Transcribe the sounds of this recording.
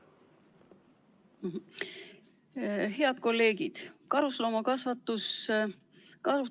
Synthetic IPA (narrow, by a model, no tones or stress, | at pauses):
he̞ɑd̪̥̚ko̞lːe̞ːɡid̪̥kɑɾuslomɑkɑsvɑt̪ːˑus | kɑsu